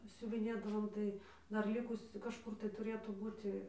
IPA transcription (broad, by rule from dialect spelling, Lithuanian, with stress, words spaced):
sʲʊʋʲɪˈnʲeːdɐʋoːm ˈtɐɪ ˈdɐr ˈlʲɪkʊsʲʊ kɐʃˈkʊr tɐɪ tʊˈrʲeːtuː ˈbuːtʲɪ